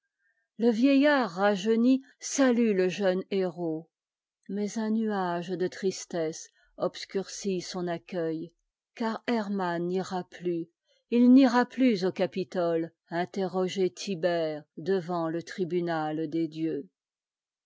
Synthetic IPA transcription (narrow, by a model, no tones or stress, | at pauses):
ləvjɛjaʁːaʒəni | salyləʒœneʁo | mɛzɛ̃nyaʒd̪ət̪χist̪ɛs | ɔpskʲyʁsisɔ̃nakʲœj | kaʁɛʁmanːiʁaply | ilniʁaplyzokapit̪ɔl | ɛ̃t̪eʁɔʒet̪ʰibɛʁd̪əvɑ̃lət̪χibynald̪ed̪jø